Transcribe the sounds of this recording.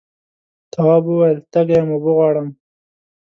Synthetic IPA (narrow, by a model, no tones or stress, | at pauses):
t̪awɑːbuwajlt̪aɡajamobʊɣwɑːɽəm